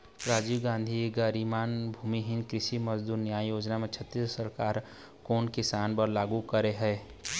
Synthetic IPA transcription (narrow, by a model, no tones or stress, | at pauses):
ɾaːd͡ʒiːʋɡãːnd̪ʱiɡəɾimaːnbʱuːmiɦɪnkɾɪʃiməzd̪uːɾnjaːjjoːd͡ʒnamet͡ʃʰət̪ːissəɾkaːɾ | koːnkɪsaːnpəɾlaːɡukəɾeɦɛ